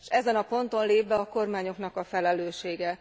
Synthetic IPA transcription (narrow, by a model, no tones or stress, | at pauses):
ʃɛzɛnɒpo̞nt̪o̞nleːpʋɛɒko̞rmaːɲo̞knɒkɒfɛlɛløːʃeːɡɛ